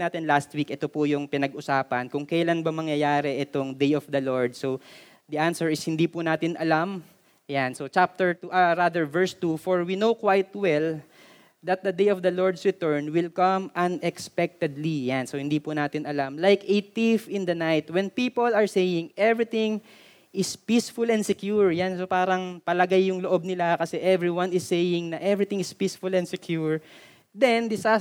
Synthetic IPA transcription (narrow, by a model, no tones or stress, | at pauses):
naːt̪ɪnlast̪wikʔɛt̪opʊjʊŋpɪnɐɡʔʊsaːpɐnkʊŋkɐjlanbɐmɐŋjɐjaːɾɛʔɛt̪oŋd̪ejɔfd̪ɐloɹd̪̚so | d̪ɐʔansɛɹɪshɪnd̪iːpʊnaːt̪ɪnʔɐlam | jansot͡ʃap̚t̪ɛɹt̪uʔaɾad̪ɛɹvɛɹst̪ufoɹwinowkwajt̪wɛl | d̪ɐt̪̚d̪ɐd̪ejɔfd̪ɐloɹd̪sɹɪt̪ɛɹnwɪlkɐmʔɐ̃nɛkspɛk̚t̪ɛd̪lijansohɪnd̪ipʊnaːt̪ɪnɐlamlajket̪ifɪ̃nd̪ɐnajt̪wɛnpiːpolɐɹsejɪŋʔɛvɹɪt̪ɪ̃ŋ | ʔɪspisfʊlɛ̃nd̪sɛkjuɹjansopaːɾɐŋpɐlɐɡajːʊŋloʔob̚nɪlakɐsɛʔɛvɹiwãnɪsːejɪŋnɐʔɛvɹɪt̪ɪ̃ŋɪspisfʊlɛ̃nd̪sɛkʰjuɹ | d̪ɛnd̪ɪsa